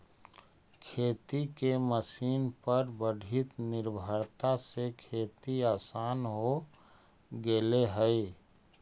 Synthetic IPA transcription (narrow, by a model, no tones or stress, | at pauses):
kʰeːt̪ikeməsiːnpəɾbəɽʱɪt̪nɪɾbʱəɾt̪asekʰeːt̪iaːsaːnɦo | ɡeleɦəi